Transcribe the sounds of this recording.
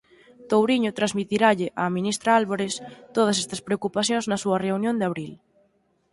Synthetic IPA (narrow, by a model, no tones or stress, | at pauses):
t̪owɾiɲʊt̪ɾazmit̪iɾaʎɪʔaminist̪ɾaalβoɾɪst̪oð̞ɐs̬ɛst̪ɐspɾeokupaθjõŋznɐsuɐreunjõnd̪aβɾil